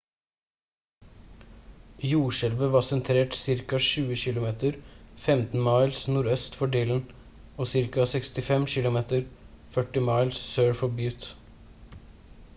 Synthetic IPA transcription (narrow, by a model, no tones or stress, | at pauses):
juːʃɛlʋəʋɑːsɛnt̪ʰɾeːʈsɪɾkɑʃʉːəçɪlʊmeːt̪əɾfɛmt̪n̩mɑɪlsnuːɾœst̪fɔɖiːln̩ | oːsɪɾkɑsɛkst̪ɪfɛmçɪlʊmeːt̪əɾ | fœʈːɪmɑɪlssøːɽfɔbjʉːt̪